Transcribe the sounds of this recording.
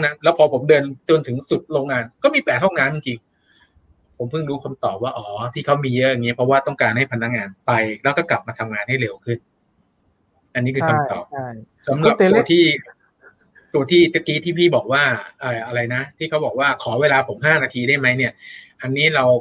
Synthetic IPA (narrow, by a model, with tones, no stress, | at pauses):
ŋna˦˥nlɛː˦˥wpʰɔː˧pʰo˩˦mdɤː˧nt͡ɕo˧nt̪ʰɯ˩˦ŋsu˨˩t̪̚ɾoː˧ŋaː˧nkɔː˥˩miː˧pɛː˨˩t̪̚hɔ˥˩ŋnaː˦˥mt͡ɕi˧ŋt͡ɕi˧ŋ | pʰo˩˦mpʰɯ˥˩ŋɾuː˦˥kʰa˧mt̪ɔː˨˩p̚waː˥˩ʔɔː˩˦t̪ʰiː˥˩kʰa˦˥wmiː˧jɤː˦˧˩ja˨˩ŋi˦˥pʰɾɔ˦˥waː˥˩t̪ɔ˥˩ŋkaː˧nha˥˩jpʰnːa˦˥k̚ŋaː˧npa˧jlɛː˦˥wkɔː˥˩kla˨˩p̚maː˧t̪ʰa˧mŋaː˧nha˥˩jɾe˧wkʰɯ˥˩n | ʔa˧nːiː˦˥kʰɯː˧kʰa˧t̪ɔ̰ː˨˩p̚sa˩˦mɾa˨˩p̪ːt̪ʰiː˥˩ | t̪u˧ɐt̪ʰiː˥˩t͡ɕa˦˥kiː˦˥˩t̪ʰiː˥˩pʰiː˥˩bɔː˨˩k̚waː˥˩ʔaː˧˩ʔa˧ɾa˧jna˦˥t̪ʰiː˥˩a˦˥wbɔː˨˩k̚waː˥˩kʰɔː˩˦weː˧laː˧pʰo˩˦mɦaː˥˩naː˧t̪ʰiː˧da˥˩jma˦˥jni˥˩ɐʔa˧nːiː˦˥ɾa˧w